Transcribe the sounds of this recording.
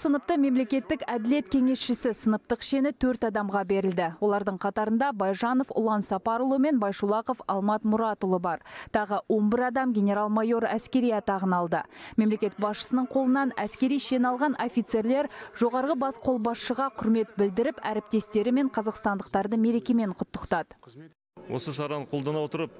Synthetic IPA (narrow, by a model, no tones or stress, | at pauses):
sənəp̚t̪əme̞mle̞kʲe̞t̪ːɪkæd̪ɪle̞t̪kʲʰe̞ŋe̞sʃɪsɪsənəp̚t̪əqʃe̞nɪt̪ʰɵɾt̪ɑd̪ɑmʁɑbe̞ɾɪld̪ɪwo̞lˠɑɾd̪əɴqʰɑt̪ɑɾənd̪ɑbɑjʒɑno̞fʊ̰lˠɑnsɑpɑɾlˠome̞nbɑjʃulˠɑqo̞fɑlˠmɑt̪mʊɾɑt̪olˠəbɑɾt̪ʰɑʁəwʔo̞mbɪɾɑd̪ɑmɡʲe̞nʲe̞ɾɑlˠmɑjo̞ɾæskʲe̞ɾijɑt̪ɑʁənɑlˠd̪əme̞mle̞kʲe̞t̪̚bɑsʃə̥sənəɴqʰo̞lˠənɑnæskʲe̞ɾijʃenɑlˠʁɑno̞fʲijt̪se̞ɾle̞ɾʒ̥o̞ʁɑɾʁəbɑsqʰo̞lˠbɑsʃəʁɑqʰʊɾme̞t̪̚bɪld̪ɪɾɪpæɾɪp̚t̪e̞st̪e̞ɾɪme̞ɴqʰɑzɑqst̪ɑnd̪əqt̪ɑɾd̪əme̞ɾe̞kʲe̞me̞ɴqʰʊt̪ːə̥qt̪ɑd̪ə | wo̰səʃɑɾɑnqʰo̞lˠd̪ɑnɑwot̪əɾəp̚